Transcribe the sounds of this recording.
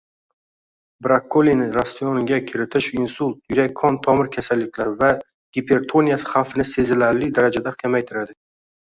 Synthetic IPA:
bɾakʰːolinɪɾasjɒnɪɡʲakʲʰɪɾɪt̪ʰɪʃɪnsʊlˠt̪̚jʊɾak̚ʲʰːɒnt̪ʰɒmɪɾkʲʰasalːɪkʲʰlaɾva | ɡ̥ʲipʰe̞ɾt̪ʰo̞nijasɪ̥χafɪnɪse̞zɪlaɾlɪd̪aɾad͡ʒad̪akʲʰamajt̪ʰɪɾad̪ɪ

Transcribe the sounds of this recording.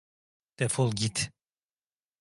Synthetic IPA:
d̪̥ɛfolˠɡʲit̪

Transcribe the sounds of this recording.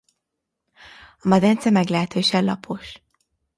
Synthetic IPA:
ɒmɒd̪ɛnt̪sɛmɛɡlɛɦɛt̪øːʃɛlɒpʰo̞ʃ

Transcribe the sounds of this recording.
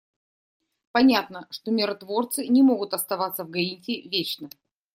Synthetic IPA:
pɐnʲat̪nəʂt̪omʲɪɾɐt̪vo̞rt̪sɨnʲɪmo̞ɡʊt̪ɐst̪ɐvat̪sːəvɡɐitʲɪvʲet͡ɕnə

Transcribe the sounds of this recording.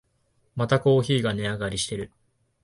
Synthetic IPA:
mat̪ako̞ːçiːɡane̞aɡaɾʲiɕi̥t̪e̞ɾɯ̟

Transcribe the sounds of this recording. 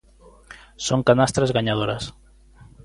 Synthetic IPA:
soŋkanast̪ɾazɣaɲað̞oɾɐs

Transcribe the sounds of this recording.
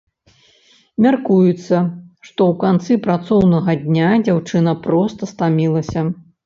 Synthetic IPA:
mʲarkujut̪sːɐʂt̪ɔwkant̪sɨpɾat̪sɔwnɐɣɐd̪ʲnʲad͡zʲawt͡ʂɨnɐpɾɔst̪ɐst̪amʲilˠɐsʲɐ

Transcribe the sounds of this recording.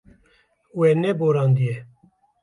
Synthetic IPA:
weːnɛboːɾɑːnd̪ije

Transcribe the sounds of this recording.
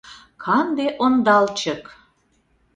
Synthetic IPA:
kʰɑnd̪eʔond̪ɑlt͡ɕək

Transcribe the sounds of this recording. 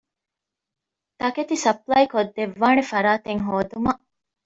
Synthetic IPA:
t̪ɐket̪isɐplɐikod̪ːeʋːaːnefɐɾaːt̪eŋɦoːd̪umɐʔ

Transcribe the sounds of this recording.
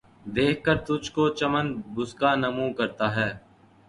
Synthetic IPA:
d̪eːkʰkːəɾt̪ʊd͡ʒkot͡ʃɐmənbʊskaːnɐmũkɐɾt̪aːɦɛː

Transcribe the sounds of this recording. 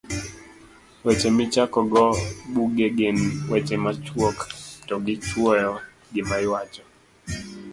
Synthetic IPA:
wɛt͡ʃemɪt͡ʃakɔɡɔbuɡeɡɪnwet͡ʃemat͡ʃwoktɔɡɪt͡ʃwɔjɔ | ɡɪmajwat͡ʃɔ

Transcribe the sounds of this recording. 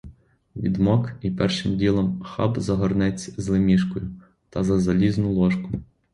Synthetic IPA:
ʋʲḭd̪mɔkipɛrʃɪmdʲilˠɔmxɑ̰bzɐɦɔrnɛt͡sʲzlˠɪmʲiʃkɔjʊ | t̪ɐzɐzɐlʲiznʊlˠɔʃkʊ

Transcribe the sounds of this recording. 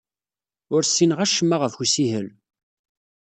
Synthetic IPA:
ʊɾsːinʁæʃəmːaʁəfçusiɦəl

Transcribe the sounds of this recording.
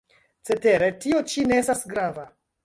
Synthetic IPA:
t͡se̞te̞ɾe̞tio̞t͡ʃine̞estasɡɾava

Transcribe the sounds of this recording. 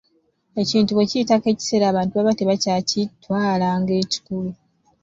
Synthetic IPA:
e̞ciːntuweciːtake̞ːci̥seɾaːβaːntuβaβateβacacitːwaːlaːŋɡe̞ːci̥kulu

